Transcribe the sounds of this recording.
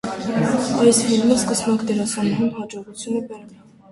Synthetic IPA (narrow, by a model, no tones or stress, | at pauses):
ɑjshilnəskəsmɑkʰd̪ɛɾɑsɑnɾunɦɑd͡ʒɔʁut͡sʰjunəbɛɾ